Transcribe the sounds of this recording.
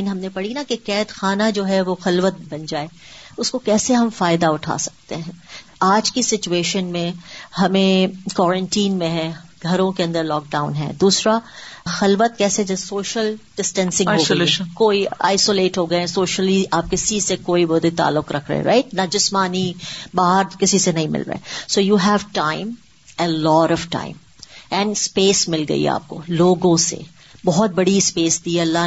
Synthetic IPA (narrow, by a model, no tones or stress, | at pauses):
inɦɐmnepɐɽinakekɛːt̪xaːnad͡ʒoːɦɛʋoxɐlʋət̪̚bɐnd͡ʒaːeːʊskokɛːseɦɐmfaːɪd̪aʊʈʰa̰ːsɐ̥k̚t̪eɦɛ̃ː | aːd͡ʒkisɪt͡ʃueːʃənmẽɦɐmẽkɔːɾə̃ɳʈiːnmẽɦɛ̃ | ɡʱɐɾõkeɐ̃nd̪əɾlɔːk̚ɖaːʊ̃nɦɛ̰̃d̪uːsɾaxɐlʋət̪̚kɛːsed͡ʒɐsoːʃəlɖ̥ɪsʈɛ̃nsɪ̃ŋɦokoːia̰ːɪsoːleːʈɦoːɡɐeɛ̃soːʃəliaːp̚kɪsisekoːibɔd̪et̪a̰ːlːʊkɾɐkʰɾɐ̰ḛɾa̰ɪʈnɐd͡ʒɪsmaːnibaːɦəɾkɪsisenɐɦĩmɪ̰lɾɐ̰ḛsoːjuːɦɛʋʈãːɪ̃m | elɔːɾɔʋʈã̰ːɪ̃m | ɛ̃ːɳɖspeːsmɪlɡɐ̰ḭa̰ːp̚ko̰loːɡõsḛ | bɔɦɔt̪̚bɐɽispeːsd̪iɐlːa